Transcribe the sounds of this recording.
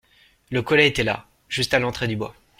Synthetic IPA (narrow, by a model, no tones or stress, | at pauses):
ləkɔlɛet̪ɛla̰ | ʒ̥yst̪alɑ̃t̪χed̪ybwa̰